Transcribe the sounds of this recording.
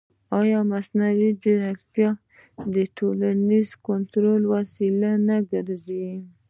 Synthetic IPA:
ɑjɑmasnawid̪əɾakt̪jɑ | d̪əʈʰolanizkont̪ɾolwasilanaɡəɾzi

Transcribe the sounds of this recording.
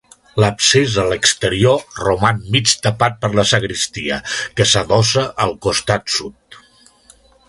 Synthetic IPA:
ləpsezələkst̪əɾiorumanmit͡ʃt̪əpat̪̚pəɾləsəɣɾist̪iəkəsəðɔsəʔəlˠkust̪at̪sut̪̚

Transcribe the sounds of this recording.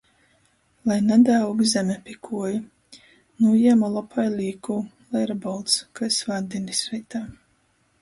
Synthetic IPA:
lˠajnɛd̪æwɡzʲɛmʲɛpʲikʰuɔju | nujɛmalˠɔpʰajlʲiːkuːlˠɛjɾabɔlˠt̪skaisvad̪inisɛjt̪aː

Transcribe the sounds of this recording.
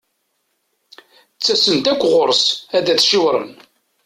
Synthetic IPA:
t͡sːæsənt̪ækʷːʁoɾˤsæðæθʃiwɾˤə̰n

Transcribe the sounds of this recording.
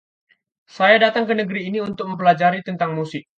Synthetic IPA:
sajadat̪aŋkənəɡəɾiːniunt̪ʊk̚məmpəlad͡ʒaɾit̪ənt̪aŋmusɪʔ̚

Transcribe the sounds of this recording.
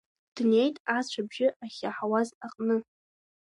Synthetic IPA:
d̥ne̞jtʼat͡ɕʷʰabʒɪʔaχʲaħawazaqʼnɨ

